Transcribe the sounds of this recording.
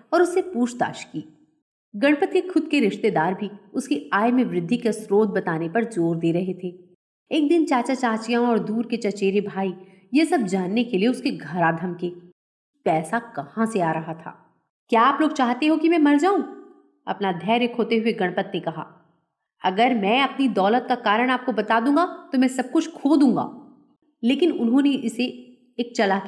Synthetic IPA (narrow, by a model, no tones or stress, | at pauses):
ɔːɾʊsepuːt͡ʃʰd̪a̰ːʃkiː | ɡɐɽ̃pət̪ekʰʊd̪̚keɾɪʃt̪ed̪aːɾbʱiʊskeaːjmẽʋɾɪd̪ʱːikasɾoːd̪̚bɐt̪aːnepɐɾd͡ʒoːɾd̪eːɾɐɦet̪ʰeː | eːk̚d̪ɪnt͡ʃaːt͡ʃat͡ʃaːt͡ʃijãɔːɾd̪uːɾket͡ʃɐt͡ʃeːɾebʱaːi | jesɐb̚d͡ʒaːnːekelieʊskeɡʱɐɾad̪ʱɐmkeː | pɛːsakɐhãseaːɾɐɦat̪ʰa̰ː | kjaːploːɡ̚t͡ʃaːɦt̪eɦõkimɛ̃mɐɾd͡ʒaːũ | ɐ̰pnad̪ʱɛːɾekʰoːt̪eɦʊeɡɐɽ̃pət̪nekɐɦa̰ː | ɐɡəɾmɛ̃ɐpnid̪ɔːlət̪̚kakaːɾəɽ̃aːp̚kobɐt̪aːd̪ũːŋɡat̪omɛ̃sɐb̚kʊt͡ʃʰkʰoːd̪ũːŋɡa̰ː | leːkɪnʊnɦõneʔɪse | eːk̚t͡ʃɐlak